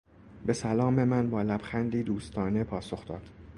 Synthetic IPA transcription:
be̞sælɒːme̞mænbɒːlæbxænd̪iːd̪uːst̪ʰɒːne̞pʰɒːso̞xd̪ɒːd̪̥

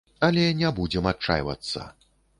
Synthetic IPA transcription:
ɐlʲɛnʲɛbud͡zʲɛmat̚t͡ʂa̰jvɐ̰t̪sːɐ̰

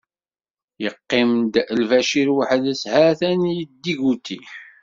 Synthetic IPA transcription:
jəqːɪmd̪lvæʃiɾwaħəðəshæθænijəd̪ːiɡut̪ːi

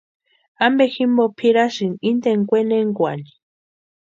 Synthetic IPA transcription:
ambeximbopʰiɾaʃinind̪eŋkʷeneŋɡʷani̥

